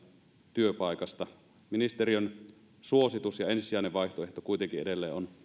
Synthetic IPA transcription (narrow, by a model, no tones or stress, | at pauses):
t̪yøpɑˑikɑst̪ɑ | minist̪eriøn | suosit̪usjɑensisiæˑineʋʋɑiht̪oeht̪okuit̪eŋkiedelːḛːʔʔon